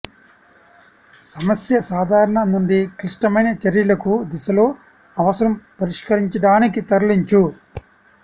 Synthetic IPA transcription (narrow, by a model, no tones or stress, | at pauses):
sɐmɐsjɐsaːd̪ʱaːɾɐɳɐnuɳɖikɾiʂʈɐmɐjnɐt͡ʃɐɾjɐlɐkud̪isɐlo̞ː | ɐʋɐsɐɾɐmpɐɾiʂkɐɾiɲt͡ʃɐɽaːnikit̪ɐɾliɲt͡ʃu